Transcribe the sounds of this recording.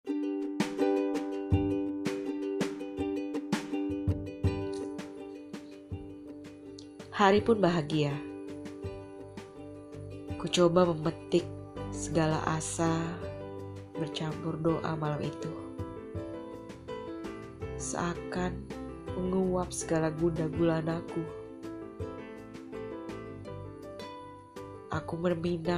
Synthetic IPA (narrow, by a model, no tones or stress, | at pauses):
haɾipʊnbaɦaɡia | kut͡ʃobaməmət̪ɪk̚səɡala̰ʔasa | bərt͡ʃampʊrdoʔa̰malamʔit̪u | sə̰akan | məŋuwap̚səɡalaɡundaɡulanaku | ʔakumərmina